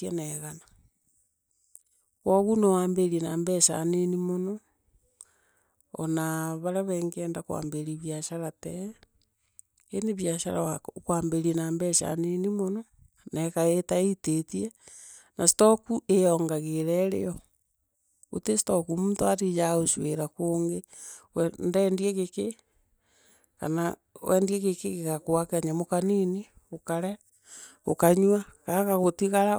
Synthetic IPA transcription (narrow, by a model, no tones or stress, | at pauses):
enɛɣana | kwoɣunowaːmbeɾienaːmbɛʃa̰nenimonɔ | o̰naβaɾaβɛːŋɡɛːndakwa̰ːmbeɾiβjaʃaɾatɛ | eneβjaʃa̰ɾawakwaːmbeɾienaːmbɛʃa̰nenimonɔ | nɛkaetaitetie | nasi̥tokuejɔːŋɡaɣeɾɛɾḛɔ | o̰tesi̥tokumuntoatid͡ʒaɣosweɾakoːŋɡewɛndɛːndieɣeke | ka̰na | wʔɛ̰ːndieɣekeɣekakoakeaɲamokanini | okaɾɛ | o̰kaɲwakakaɣotiɣaɾa